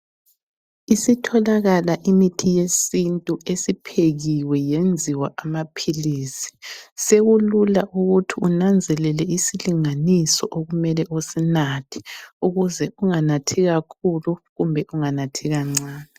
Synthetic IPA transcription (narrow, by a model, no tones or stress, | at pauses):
isitʰɔlaɣalaʔimitʰijesintʼuesipʰeɣiwɛjend͡zʱiwaʔamapʰiliːsi̥seɣululaʔuɣutʰiunand͡zʱɛlɛlɛisiliŋanisɔʔoɣumɛlɛʔosinatʰi̥uɣuzɛuŋanatʰiɣakʰuluɣumbʱɛʔuŋanatʰiɣaŋ͡ǀaːna